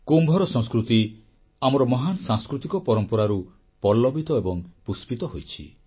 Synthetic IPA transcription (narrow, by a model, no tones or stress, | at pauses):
kumbʱɔɾɔsɔ̃ŋskɾut̪i | amɔɾɔmɔɦanɔsãŋskɾut̪ikɔpɔɾɔmpɔɾaɾu | pɔlːɔbʱit̪ɔebɔŋpuspit̪ɔɦojt͡ʃʰḭ